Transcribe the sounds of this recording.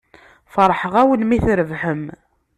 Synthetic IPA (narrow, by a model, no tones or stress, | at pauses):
fəɾˤħəʁæwənmiθɾəvħəm